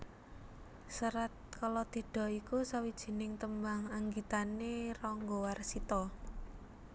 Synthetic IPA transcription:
səɾat̪̚kalɔt̪i̤ɖ̥ɔ̤ikusawid̥ʒ̥i̤nɪŋt̪əmbaŋaŋɡit̪anerɔŋɡowarsit̪ɔ

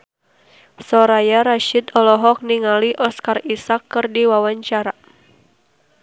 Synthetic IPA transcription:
sɔɾajaɾaʃit̪ɔlɔɦɔk̚niŋaliʔɔskarisakːɨrdiwawaɲt͡ʃaɾa

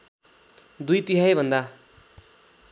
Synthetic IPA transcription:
d̪ujt̪iɦajbʱʌnd̪a

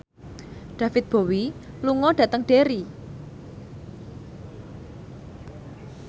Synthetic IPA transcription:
ɖ̥ä̤fɪt̪̚b̥o̤wi | luŋɔɖ̥ä̤t̪əŋɖ̥eɾi

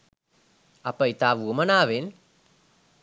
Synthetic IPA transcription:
apəit̪aːʋuəmənaːʋen

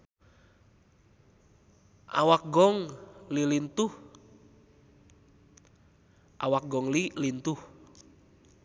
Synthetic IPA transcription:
ʔa̰wak̚ɡɔŋlilint̪uh | ʔa̰wak̚ɡɔŋlilint̪uh

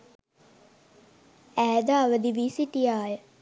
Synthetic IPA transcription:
æːd̪aːʋəd̪iʋiːsiʈijaːjə

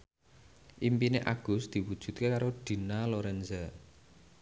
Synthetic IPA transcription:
ʔimpineʔaɡ̥ʊ̤sd̪̥i̤wud̥ʒ̥ṳt̪̚kekaɾoɖ̪̥i̤naloɾɛnzə

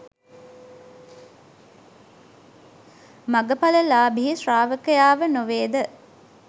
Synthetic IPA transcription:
maɡəpaləlaːbiɦisraːʋəkəjaːʋənoʋeːd̪ə

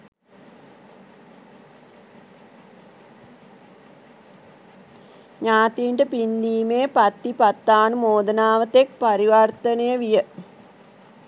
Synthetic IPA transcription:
ɲaːt̪iːɳʈəpind̪iːmeːpat̪ːipat̪ːaːnumoːd̪ənaːʋət̪ek̚paɾiʋart̪ənejəʋijə

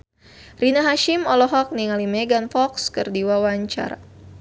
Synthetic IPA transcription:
rinaɦaʃimɔlɔɦɔk̚niŋalimɛɡanfɔkskɨrdiwawaɲt͡ʃa̰ɾa̰

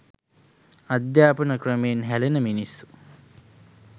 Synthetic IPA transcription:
ad̪jaːpɐnɐkrəmenɦælenəminisːu̥

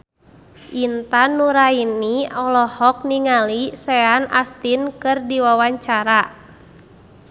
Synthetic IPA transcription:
ʔint̪anːuɾainːiɔlɔhɔk̚niŋalisɛanʔast̪inkɨrdiwawaɲt͡ʃaɾa

